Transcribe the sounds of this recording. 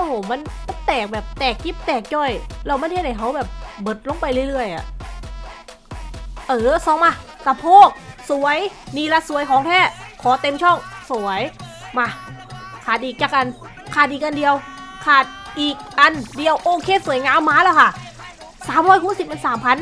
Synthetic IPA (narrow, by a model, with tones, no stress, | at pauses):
ʔoː˧hma˧˥˨nma˧˥˨nt̪ɛː˨˩k̚bɛː˨˩p̚t̪ɛː˨˩k̚ji˦˧˥p̚t̪ɛː˨˩k̚jɔː˧˩jlɛː˧˩wma˧˥˨nhe˧˩t̪̚ha˨˩jkʰa˧˦wbɛː˨˩p̚bɤː˨˩t̪̚lo˧˦ŋpa˧jlɯ˧˩ə˨jlɯ˧˩əjʔa̰˨˩ʔ | ʔɤː˧˩sɔː˧˦ŋmaː˧ | k̪a˧˩pʰoː˧˥˩k̚su˨˦əjniː˧la˧su˨˦əjkʰɔː˨˦ŋt̪ʰɛː˧˥˩kʰɔː˨˦t̪e˧mt͡ɕʰɔ˧˥˩ŋsu˨˩˦əjma˧˩kʰaː˨˩t̪̚ʔiː˨˩k̚t͡ɕaː˨˩kːa˧n | kʰaː˨˩t̪̚ʔiː˨˩kʔa˧ndi˧əwkʰaː˨˩t̪̚ʔiː˨˩k̚ʔa˧ndi˧əwʔoː˧kʰeː˧˥˨su˨˩˦jŋaː˧˥mːaː˧˥lɛː˧˩wkʰa˧˥˩ | saː˨˦mʰɔː˧˥jkʰuː˧˥˨si˨˩ma˧˨nsaː˨˦mpʰa˧˥n